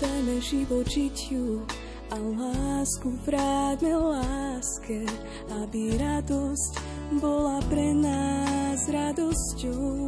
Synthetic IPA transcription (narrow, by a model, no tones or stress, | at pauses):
t̪amɛʒiʋɔd͡ʒicju | alaːskuvɾaːd̪nɛlaːskɛ | abiɾad̪ɔsc | bɔlapɾɛnazɾad̪ɔscɔʊ